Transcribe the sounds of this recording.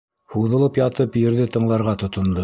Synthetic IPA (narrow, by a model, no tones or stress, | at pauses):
huðɤ̆lˠɤpjɑt̪ɤpjɘ̆ɾðɘt̪ɤ̆ɴlˠɑɾʁɑt̪ŏt̪ŏnd̪o